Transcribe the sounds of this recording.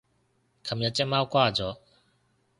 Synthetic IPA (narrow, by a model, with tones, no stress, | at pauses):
kʰa˨mja˥˨t͡ɕɛ˦˥ʔma˦wkwa˥˨d͡ʑɔ˦˨